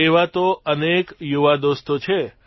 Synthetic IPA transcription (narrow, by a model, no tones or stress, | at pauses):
eʋat̪oənekjuʋad̪ost̪ot͡ʃʰe